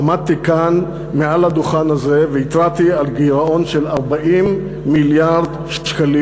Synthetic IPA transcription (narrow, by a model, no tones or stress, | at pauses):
amad̪̚t̪ikan | mealad̪uχanhaze̞veit̪ʁat̪ialɡiʁao̞nʃe̞laʁbaʔimː | iljaʁd̪ | ʃkali